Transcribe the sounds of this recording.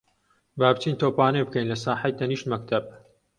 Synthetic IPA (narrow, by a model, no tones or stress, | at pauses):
baːbt͡ʃiːnt̪oːpaːnebɨkɐjnlɐsaːħajt̪ɐniːʃmɐk̚t̪ʰɐb̚